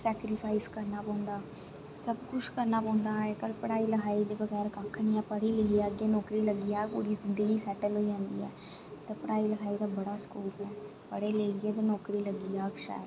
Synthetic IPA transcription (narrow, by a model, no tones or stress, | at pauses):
sɛːkɾɪpʰaːɪskəɾnaːpɔ̃ːnd̪aː | səbkʊt͡ʃkəɾnaːpɔ̃ːnd̪aːɛːkəlpəɽaːiːləɦaːid̪eːbəɡɛːɾkãːkʰɳiːãːpəɽiːləiaɡeːnɔːkɾiːləɡijaːpuːɾiːzɪnd̪əɡiːsɛːʈəlɦoːid͡ʒãːnd̪iːɛ̰ː | t̪əpəɽaːiːləɦaːid̪aːbəɽaːskuːpɦɛː | pəɽeːleɡeːd̪enɔːkɾiːləɡiːaːkʃa̰ːjəd̪